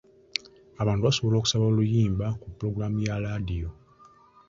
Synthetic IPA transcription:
aβaːntuβaso̞βolo̞ku̥saβalujiːmbakupːɾo̞ɡɾamujaladijo

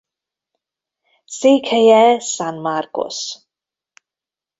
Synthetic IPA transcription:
sekʰejɛsanmarkʊ̰s

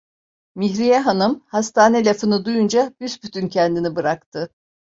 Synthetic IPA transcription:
miçɾijɛɦanɯmhast̪ʰaːnelʲafɯnɯd̪ujund͡ʒabysbyt̪ʰyncʰɛnd̪inibɯɾakt̪ʰɯ

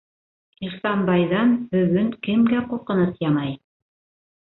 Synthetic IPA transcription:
ilʲsɑnbɑjðɑnbɵ̆ɣɵŋkɘ̆mɡæqulˠqɤ̆nɤθjɑmɑj

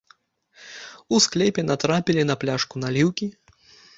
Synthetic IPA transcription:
usklʲɛpʲɛnat̪ɾapʲilʲinɐplʲaʂkunalʲiwkʲi

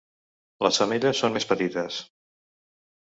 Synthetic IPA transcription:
lə̰sfəmeʎəsːonmespət̪it̪əs

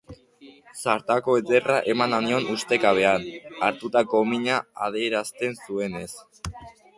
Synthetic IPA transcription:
saɾt̪ako̞et͡se̞raʔe̞mananio̞nust̪e̞kaβ̞e̞anaɾt̪ut̪ako̞miɲaa̰ð̞ieɾast̪e̞nsue̞ne̞s

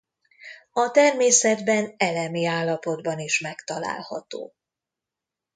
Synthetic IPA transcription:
ɒt̪ɛrmeːsɛd̪bɛnɛlɛmiaːlːɒpo̞d̪bɒniʃmɛkt̪ɒla̰ːlhɒ̰t̪o̰ː

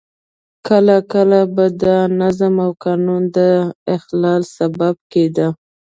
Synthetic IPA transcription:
kəlakəlabad̪ənazamawkɑnund̪əɪxlɑlsabab̚ked̪ə

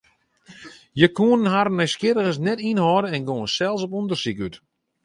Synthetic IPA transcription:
jəkuənənhaɾnɛskɪɾəɣəsnɛtinhɔːdəɛnɡoːənsɛlˠsɔp̬ɔndərsikyt

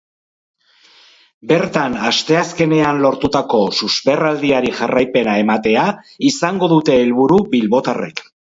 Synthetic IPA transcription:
be̞ɾt̪anast̪e̞aske̞ne̞anlo̞ɾt̪ut̪ako̞suzpe̞rald̪iaɾiʝarajpe̞nae̞mat̪e̞a | isaŋɡo̞ðut̪e̞ːlβuɾubilβo̞t̪are̞̰k

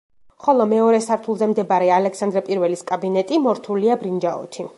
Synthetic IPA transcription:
χɔlˠɔmɛɔɾɛsaɾt̪ʰulˠzɛmd̪ɛbaɾɛalɛksand̪ɾɛpʼiɾvɛliskʼabinɛt̪ʼimɔɾt̪ʰuliabɾind͡ʒaɔ̰t̪ʰi

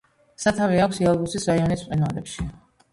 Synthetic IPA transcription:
sat̪ʰaviakʷʰsialˠbusisɾaiɔnisqʼɛnalɛpʃi

